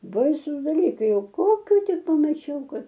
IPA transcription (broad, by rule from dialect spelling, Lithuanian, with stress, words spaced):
ˈbɐɪsʊs dɐˈlʲiːkɐɪ ˈjɛʊ ˈkoːkʲʊ ˈtʲɪk pɐmɐˈt͡ʃʲɛʊ ˈkɐt